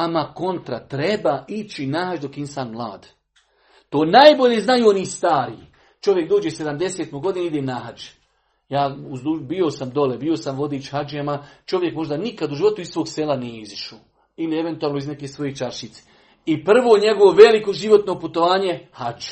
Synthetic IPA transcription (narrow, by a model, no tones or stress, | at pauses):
amako̞nt̪ɾat̪ɾe̞baːit͡ʃinahat͡ʃd̪o̞kinsaːnmlˠa̰ːd̪ | t̪oːnajbo̞ʎeznajuːoniːst̪aːɾiː | t͡ʃo̞ʋje̞k̚d̪oːd͡ʒese̞d̪amd̪eseːt̪moɡo̞d̪ineid̪enaɦat͡ʃ | jaːuzd̪ubio̞samd̪o̞lebio̞samʋo̞d̪iːt͡ʃhad͡ʒamat͡ʃo̞ʋje̞kmo̞ʒd̪anikad̪uʒiʋo̞t̪uissʋo̞ːɡselaneiziʃuː | ilie̞ʋe̞nt̪uaːlnoizne̞kesʋo̞jet͡ʃaɾʃit̪se̥ | ipr̩ʋoːɲe̞ɡo̞ʋo̞ʋe̞liko̞ʒiʋo̞t̪no̞put̪o̞ʋaːɲe̞had͡ʒ